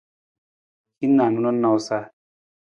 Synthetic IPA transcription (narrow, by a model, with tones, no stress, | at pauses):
kʰi˦nːa˨nu˦nɔ˦nːa˧wsa˦˧